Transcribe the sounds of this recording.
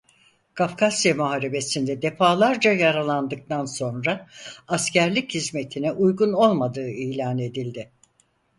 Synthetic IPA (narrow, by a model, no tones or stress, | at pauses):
kʰafkʰasjamuɦaːɾe̞be̞sind̪ɛd̪e̞faːlˠaɾd͡ʒajaɾalˠand̪ɯk̚t̪anso̞nɾaːscæɾlʲichizme̞t̪ʰinɛʔujɡuno̞lˠmad̪ɯːiːlʲaːne̞d̪ilʲd̪ɪ